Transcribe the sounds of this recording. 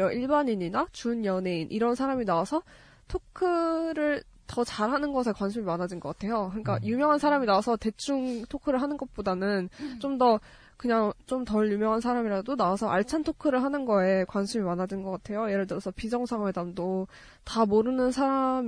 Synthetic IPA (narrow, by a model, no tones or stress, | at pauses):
ʌʔiɭbaɲiɲinat͡ɕunjʌne̞inʔiɾʌnsʰaɾaminaasʰʌ | tʰokʰɯɾɯɭ | tʌt͡ɕaɾɦanɯnɡʌsʰe̞kwanɕʰimimanɦad͡ʑinɡʌk͈atʰe̞jokɯɲik͈ajumjʌŋɦansʰaɾaminawasʰʌte̞t͡ɕʰuŋtʰokʰɯɾɯɭɦanɯnɡʌt̚p͈odanɯnt͡ɕomdʌ | kɯɲaŋt͡ɕomtʌɭjumjʌŋɦans̬ʰaɾamiɾadonaasʰʌʔaɭt͡ɕʰantʰokʰɯɾɯɭɦanɯnɡʌe̞kwanɕʰimimanɦad͡ʑinɡʌk͈atʰe̞joje̞ɾɯɭt͈ɯɾosʰʌpid͡ʑʌŋsʰaŋwe̞damdo | tamoɾɯnɯnsʰaɾam